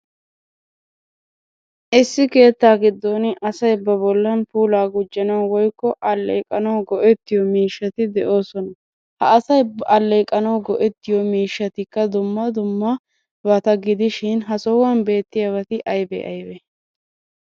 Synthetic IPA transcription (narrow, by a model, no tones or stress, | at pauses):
ʔɪsːɪke̞ːt̪ːaːɡɪd̪ːoːnɪʔɐsɐjbɐbɔlːɐnpuːlaːɡʊd͡ʒːɐnɐwwɔjkːɔʔɐlːḛːkʼːɐnɐwɡɔʔɛt̪ːɪjɔmiːʃːɐt̪ɪd̪ɛʔo̞ːsɔnɐ | hɐːsɐjbʔɐlːeːkʼːɐnɐwɡɔʔɛt̪ːɪjɔmiːʃːɐt̪ɪkːɐd̪ʊmːɐd̪ʊmːɐ | bɐt̪ɐɡɪd̪ɪʃɪnɦɐsɔwɐnbe̞ːt̪ːɪjɐβɐt̪ɪʔɐjbɛ̰ʔɐ̰jbɛ